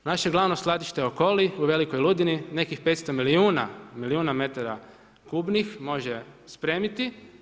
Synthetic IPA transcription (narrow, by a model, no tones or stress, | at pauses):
naʃe̞ɡlˠaʋno̞slˠad̪iʃt̪eoko̞liuʋe̞liko̞jlˠud̪inine̞kixpe̞t̪st̪omiliuːna̰miliuːname̞t̪aɾa | kuːbnixmo̞ʒespɾe̞ːmit̪i